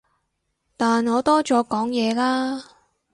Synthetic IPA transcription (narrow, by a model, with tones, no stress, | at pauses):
t̪aː˨nŋɔː˨˧t̪ɔː˥t͡sɔː˨˧kɔː˨˥ŋjɛː˨˧laː˥